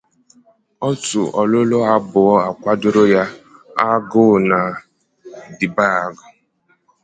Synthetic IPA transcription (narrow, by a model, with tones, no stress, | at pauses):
ɔ˦tʊ˨ʔɔ˨lʊ˦lo˦a˦bʊ˨ɔ˦a˨kʷa˦dʊ˦ɾʊ˦ja˦a˦ɡʊ˦˨na˨ | di˨ba˦a˨ɡʊ˨